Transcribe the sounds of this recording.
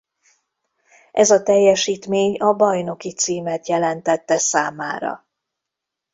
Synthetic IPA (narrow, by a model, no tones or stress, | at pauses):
ʔɛzɒt̪ɛjːɛʃiːt̪meːɲɒbɒjno̞kit̪siːmɛt̪jɛlɛnt̪ɛt̪ːɛsaːmaːɾɒ̰